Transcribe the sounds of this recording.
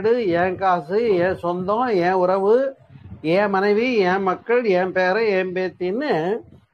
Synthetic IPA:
ɽɯɛ̃ːkaːsɯjɛ̃ːsɔnd̪õːɛ̃ːʊɾɐʋɯ | ẽːmɐnɐɪʋiɛ̃ːmɐkːɐɭjɛ̃ːpeːɾɐ̃eːmbeːt̪ːinːɯ

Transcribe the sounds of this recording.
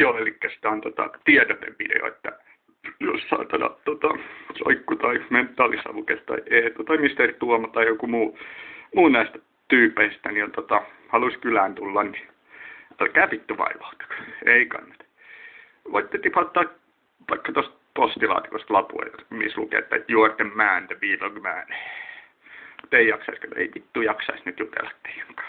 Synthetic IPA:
joːelikːæsi̥t̪ɑːnt̪ot̪ɑ̰t̪iɛt̪ot̪ḛʋʋidḛo̰ḛt̪ːæ̰ | jo̰ssɑ̰ːt̪ɑnɑ̰t̪ot̪ɑso̰ikːut̪ɑiment̪ːɑːlisɑ̰ʋukest̪ɑ̰ieːt̪uot̪ɑmist̪ert̪uomɑt̪ɑijokumuːmuːnæist̪æ | t̪yːpːˑeist̪ænint̪ot̪ɑ | hɑluskylæːnt̪ulːɑnni | ɑlkæːpit̪ːyʋɑ̰iʋɑut̪ɑ̥keikɑ̰nːɑ̥t̪ | ʋo̰it̪ːet̪ipɑt̪ːɑːk | ʋɑikːɑt̪ost̪̚post̪ilɑ̰ːt̪i̥kost̪lɑpṵɑ̰jmḭslukḛːt̪ːɑ̰t̪juort̪emmæːnt̪æʋiːloɡmæ̰ːne | mut̪ːeijɑksɑiskɑt̪ːḛipit̪ːujɑksɑ̰isnyt̪jut̪ḛlːɑ̥t̪ːe̥e̥ŋkɑ̥ː

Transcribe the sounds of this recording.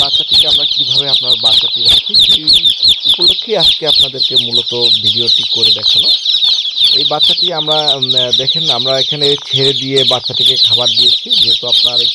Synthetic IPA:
bat̪ːʃat̪ʰekeamɾakibʱabeapnaɾbat̪ʃat̪iɾakʰt͡ɕʰioiupolokʰːiaskeapnad̪eɾkemulot̪obʱiɖioʈikːoɾed̪ɛkʰena | ejbat̪ːʃat̪iamɾad̪ɛkʰenamɾaekʰanet͡ɕʰeɾed̪ijebat̪ʃat̪ʰekekʰabaɾd̪ijet͡ɕʰid͡ʑeɦet̪oapnaɾ

